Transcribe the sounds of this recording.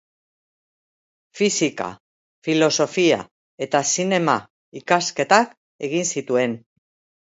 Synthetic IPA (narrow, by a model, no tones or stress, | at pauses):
fisika̰ | filo̞so̞fia̰ | e̞t̪asine̞ma | ikaske̞t̪ak | e̞ɣinsit̪ue̞n